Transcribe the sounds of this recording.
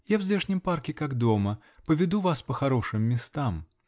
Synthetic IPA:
javzʲlʲeʂnʲɪmparkʲɪkaɡd̪o̞mə | pəvʲɪd̪uvaspəxɐɾo̞ʂɨmːʲɪst̪am

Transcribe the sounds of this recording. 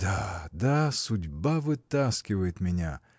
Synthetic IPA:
d̪ad̪asʊdʲbavɨt̪askʲɪvəjɪt̪mʲɪnʲa̰

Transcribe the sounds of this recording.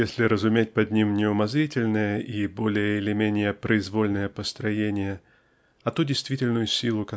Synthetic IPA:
esʲlʲɪɾəzʊmʲet̚ʲpɐd̪ʲnʲimnʲɪʊmɐzɾʲitʲɪlʲnəjəʔibo̞lʲɪjəɪlʲɪmʲenʲɪjəpɾəɪzvolʲnəjəpəst̪ɾɐjenʲɪjə | ɐt̪udʲɪjst̪vʲitʲɪlʲnʊjʊsʲilˠʊkɐ

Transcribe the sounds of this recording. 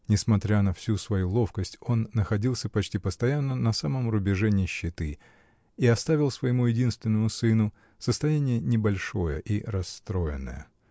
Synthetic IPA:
nʲɪsmɐt̪ɾʲanɐfsʲusvɐjulˠo̞fkəsʲtʲo̞nːəxɐdʲilˠsʲəpɐt͡ɕtʲipəst̪ɐjanːənɐsaməmrʊbʲɪʐɛnʲɪɕːɪt̪ɨ | iɐst̪avʲɪlˠsvəjɪmujɪdʲinst̪vʲɪnːəmʊsɨnʊ | səst̪ɐjanʲɪjənʲɪbɐlʲʂo̞jə̰ʔiɾɐst̪ɾo̞jɪnːə̰jə̰

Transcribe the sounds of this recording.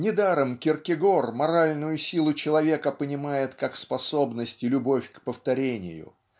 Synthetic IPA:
nʲɪd̪aɾəmkʲɪrkʲɪɡo̞rmɐɾalʲnʊjʊsʲilˠʊt͡ɕɪlˠɐvʲe̞kəpənʲɪmajɪt̪kakspɐso̞bnəsʲtʲɪlʲʊbo̞fʲkpəft̪ɐɾʲenʲɪ̰jʊ̰

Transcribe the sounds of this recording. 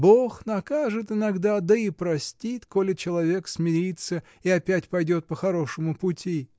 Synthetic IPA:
boxnɐkaʐɨt̪ɪnɐɡd̪ad̪əipɾɐsʲtʲit̪ko̞lʲɪt͡ɕɪlˠɐvʲe̞ksmʲɪɾʲit̪sə | iɐpʲætʲpɐjdʲo̞t̪̚pəxɐɾo̞ʂɨmʊpʊtʲi

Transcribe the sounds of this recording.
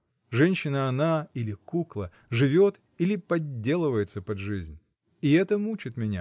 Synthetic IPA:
ʐɛnʲɕːɪnəɐnailʲɪkuklˠə | ʐɨvʲo̞t̪ | ilʲɪpɐdʲːe̞lˠɨvəjɪt̪səpɐd̪ʐɨzʲnʲ | ɪɛt̪əmut͡ɕɪt̪mʲɪnʲa̰

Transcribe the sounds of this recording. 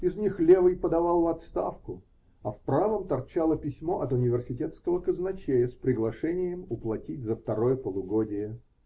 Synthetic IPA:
ɪznʲixlʲevɨjpəd̪ɐvalˠvɐt̪st̪afkʊ | ɐfpɾavəmt̪ɐrt͡ɕalˠəpʲɪsʲmo̞ʔɐt̪ʊnʲɪvʲɪrsʲɪtʲet̪skəvəkəznɐt͡ɕejəspɾʲɪɡlˠɐʂɛnʲɪjəmʊplˠɐtʲit̚ʲzəft̪ɐɾo̞jəpəlˠʊɡodʲɪjə

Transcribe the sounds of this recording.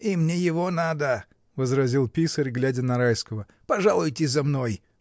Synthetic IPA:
imnʲejɪvonad̪ə | vəzɾɐzʲilˠpʲisəɾʲɡlʲædʲənɐɾajskəvə | pɐʐalˠʊjtʲɪzɐmnoj

